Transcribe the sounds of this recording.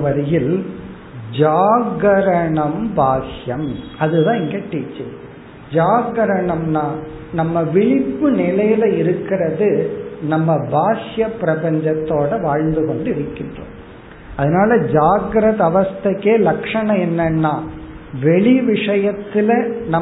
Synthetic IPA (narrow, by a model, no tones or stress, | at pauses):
ʋɐɾɐjɪl | d͡ʒaːɡɐɾɐɳɐmbʱaːʂjɐmɐðɯðãːɪŋɡɐʈːiːt͡ʃːɐ | d͡ʒaːɡɐɾɐɳɐmnaː | nɐmːɐʋɪɭɪpːɯnɪlɐjɪlɐɪɾɯkːɪrɐðɯnɐmːɐbʱaːʂjɐpːɾɐpɐɲd͡ʒɐt̪ːoːɽɐʋaːɻnd̪ɯkɔɳɖɪɾɯkːɪndrõ̰ː | ɐðɐnaːlɐd͡ʒaːɡɐɾɐðɐʋɐst̪ɐkːeːlɐkʂɐɳɐ̃ɛnːɐnːaː | ʋɛɭiʋɪʂɐjɐt̪ːɪlɐnɐ